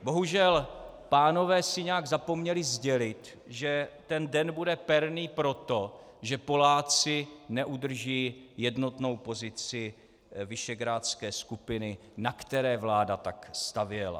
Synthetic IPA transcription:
bo̞ɦuʒɛl | paːno̞vɛːsɪɲɛaɡzapo̞mɲɛlɪzɟɛlɪt̪ | ʒɛt̪ɛndɛnbudɛpɛɾniːpɾo̞t̪o̞ | ʒɛpo̞laːt͡sɪnɛʔud̪r̩ʒiːjɛdno̞t̪no̞wpo̞zɪt͡sɪ | vɪʃɛɡɾaːt͡skɛːskupɪnɪ | nakt̪ɛɾɛːvlaːdat̪akst̪avjɛla̰

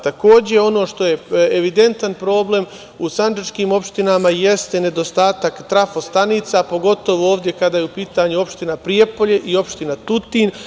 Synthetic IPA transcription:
t̪ako̞ːd͡ʑe̞o̞no̞ːʃt̪o̞je̞eʋid̪e̞nt̪anpɾo̞ːble̞m | usand͡ʒat͡ʃkiːmo̞pʃt̪inamaje̞st̪e̞ne̞d̪o̞st̪aːt̪akt̪ɾafo̞st̪aniːt̪sapo̞ɡo̞t̪o̞ʋoo̞ːʋd̪je̞kad̪aːjeupiːt̪aɲuo̞pʃt̪inapɾiepo̞ʎe̞ʔio̞pʃt̪inat̪ut̪in

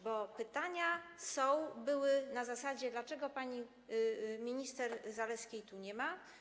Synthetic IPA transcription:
bɔpɘt̪aɲasɔ̃w̃bɘwɘnazasad͡ʑɛd̪lat͡ʂɛɡɔpaɲi | mʲiɲist̪ɛɾzalɛskʲejt̪uɲɛma

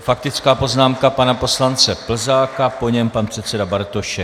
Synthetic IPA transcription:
fak̚t̪ɪt͡skaːpo̞znaːmkapanapo̞slant͡sɛpl̩zaːkapo̞ɲɛmpanpr̝̥ɛt̪t͡sɛdabaɾt̪oʃɛ

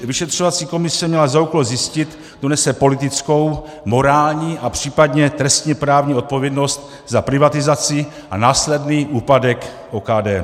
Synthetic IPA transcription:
vɪʃɛt̪r̝̥ovat͡siːko̞mɪsɛmɲɛlazaukolzjɪscɪt̪ | d̪onɛsɛpo̞lɪt̪ɪt͡sko̞w | mo̞ɾaːlɲiːʔapr̝̥iːpadɲɛt̪ɾɛst̪ɲɛpɾaːvɲiːo̞t̪̚po̞vjɛdno̞st̪̚ | zapɾɪvat̪ɪzat͡sɪ | ʔanaːslɛdniːʔuːpadɛk | ʔokaːdɛː

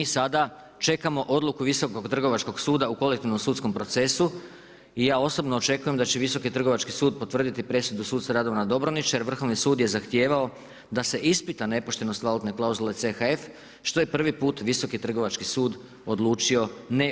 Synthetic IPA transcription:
iːsad̪a | t͡ʃe̞kamo̞ʔo̞d̪lukuʋiso̞koɡt̪r̩ɡo̞ʋat͡ʃko̞ɡsuːd̪auko̞lekt̪iʋno̞msuːt̪sko̞mpɾo̞t̪se̞su | ijaːo̞so̞bno̞ːt͡ʃe̞kuje̞md̪at͡ɕeʋiso̞kit̪r̩ɡo̞ʋat͡ʃkisuːd̪̚po̞t̪ʋɾr̩d̪it̪ipɾe̞sud̪usuːt̪saɾad̪o̞ʋanad̪o̞bɾonit͡ʃjeɾʋr̩xo̞ʋnisuːd̪je̞zaxt̪je̞ːʋao̞ | d̪ase̞ʔispit̪ane̞poʃt̪e̞no̞st̪ʋalut̪ne̞klˠauzule̞t̪sexae̞f | ʃt̪o̞je̞pr̩ʋipuːt̪ʋiso̞kit̪r̩ɡo̞ʋat͡ʃkisuːd̪ | o̞d̪lˠuːt͡ʃio̞ne

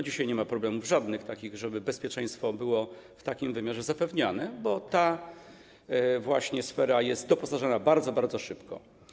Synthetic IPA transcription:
d͡ʑiɕajɲɛmapɾɔblɛmuvʐad̪nɘxt̪akʲiɣʐɛbɘbɛspʲjɛt͡ʂɛj̃st̪fɔbɘwɔ | ft̪akʲimvɘmʲjaʐɛzapɛvɲanɛbɔt̪a | vwaɕɲɛsfɛɾajɛst̪̚d̪ɔpɔsaʐanabaɾd̪zɔbaɾd̪zɔʂɘpkɔ̰

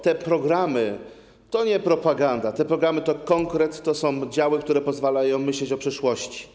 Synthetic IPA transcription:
t̪ɛpɾɔɡɾamɘ | t̪ɔɲɛpɾɔpaɡand̪at̪ɛpɾɔɡɾamɘt̪ɔkɔŋkɾɛt̪ːɔsɔ̃w̃d͡ʑawɘkt̪uɾɛpɔzvalajɔ̃w̃mɘɕlɛt͡ɕɔpʂɘʂwɔɕt͡ɕi̥

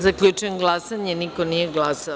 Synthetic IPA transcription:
zakʎut͡ʃuenɡlˠasaɲeniko̞nijeɡlaːsa

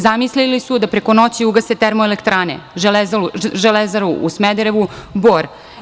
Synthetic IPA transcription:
zamislilisud̪apɾeko̞no̞t͡ɕiuɡase̞t̪eɾmoelekt̪ɾaːnḛʒelezaʒelezaɾuʔusmed̪eɾeʋuboɾ

